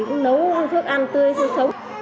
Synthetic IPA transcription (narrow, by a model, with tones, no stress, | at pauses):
kʊ̰˨˥ŋ͡mnə˨˦wt̪ʰɨ˦˥ək̚ʔa˧nt̪ɨ˧əjsɨ˧sə˨˦w